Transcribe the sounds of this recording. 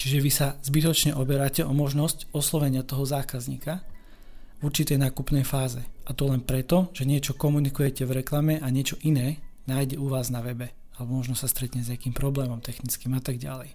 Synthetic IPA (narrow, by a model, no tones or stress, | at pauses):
t͡ʃiʒɛʋisazbit̪ɔt͡ʃɲɛʔɔbɛɾaːcɛʔɔmɔʒnɔscɔslɔʋɛɲɪat̪ɔɦɔzaːkazɲḭːka | vuɾt͡ʃit̪ɛjnaːkupnɛjfaːzɛʔat̪ɔlɛnpɾɛt̪ɔʒ̥ɛɲɪɛt͡ʃɔkɔmunikujɛcɛvɾɛklamɛʔaɲɪɛt͡ʃɔʔinɛːnaːjɟɛuʋaːznaʋɛbɛ | alɛbɔmɔʒnɔsast̪ɾɛt̪ɲɛzakiːmpɾɔblɛːmɔmt̪ɛxnit͡skiːmat̪aɡɟa̰lɛj